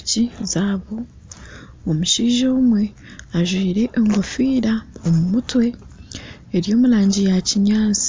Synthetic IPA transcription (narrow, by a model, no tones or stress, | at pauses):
cizaːβo̞ | omuʃiːʒoːmwe̞ | aʒwiːɾe̞ʔːŋɡo̞fiːɾaomumutwe̞ː | ɾjo̞ːmuɾaːɲɟijaciɲaːt͡si̥